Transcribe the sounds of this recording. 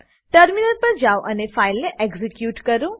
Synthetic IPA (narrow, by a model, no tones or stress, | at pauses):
ʈəɾminəɾpɐɾd͡ʒaːoʔɐnefʰaːɪlːeʔeɡzikjuːʈkəɾũː